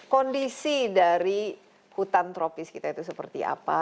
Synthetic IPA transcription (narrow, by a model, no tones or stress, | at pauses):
kondisidaɾi | hut̪ant̪ɾopɪskit̪ait̪us̬əpərt̪ḭa̰pa